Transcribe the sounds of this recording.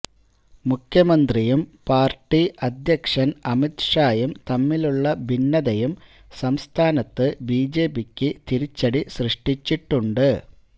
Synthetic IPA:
mukʰjɐmɐnd̪rijumpaːrʈːiʔɐd̪ʱjɐkʂɐnɐmit̪ʂaːjɐmt̪ɐmːiluɭːɐbʱinːɐðɐjum | sɐmst̪ʰaːnɐt̪ːɨbiːd͡ʑeːbikʲːɨt̪iɾit͡ɕːɐɽisrɨʂʈit͡ɕːiʈːuɳɖɨ

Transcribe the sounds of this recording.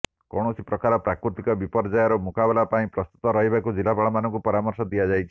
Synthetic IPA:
kɔɽ̃ɔsipɾɔkaɾɔpɾakɾut̪ikɔbipɔɾd͡ʒajaɾɔmukabɔlapaĩpɾɔst̪u̥t̪ɔɾɔɦibakud͡ʒilapaɭɔmanɔŋkupɔɾamɔɾsɔd̪iad͡ʒajt͡ʃʰi̥

